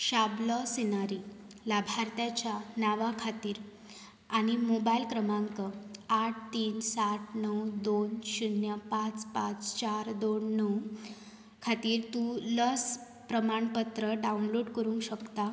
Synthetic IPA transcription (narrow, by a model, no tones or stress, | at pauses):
ɕabləsinaɾilabʱaɾt̪jat͡ɕjanaʋakʰat̪iːɾ | aɽ̃imobailkɾəmãŋkəaʈ̚ʰt̪iːnsaʈʰnəwd̪onɕunjəpat͡spãt͡st͡ɕaɾd̪onːəw | kʰat̪iːɾt̪uləs | pɾəmaɳpət̪ɾəɖaunloɽkəɾũŋkɕəkt̪a